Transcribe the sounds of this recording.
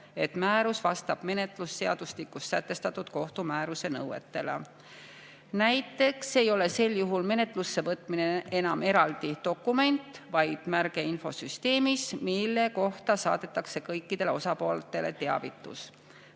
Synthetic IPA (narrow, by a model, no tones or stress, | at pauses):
e̞t̪mæːɾusvɑst̪ɑb̥me̞ne̞t̪ˑlusːe̞ɑd̪̥uslikːˑust̪sæt̪ːe̞st̪ɑt̪ːˑud̪̥ko̞ht̪umæːɾuse̞nɤwe̞̰t̪ːe̞lḛ | næjt̪ːˑe̞kse̞jo̞le̞se̞ljuɦulme̞ne̞t̪ˑlusːe̞vɤt̪ˑmineʔe̞nɑme̞ɾɑld̪it̪o̞kːˑume̞nt̪vɑjd̪̥mærɡ̥e̞info̞̰syst̪e̞ːmismilːe̞ko̞ht̪ɑsɑ̰ːd̪e̞t̪ːˑɑkse̞kɤjkːˑid̪̥e̞le̞o̞sɑpo̞ːlt̪ːˑe̞le̞̰t̪e̞ɑ̰vit̪ːˑṵs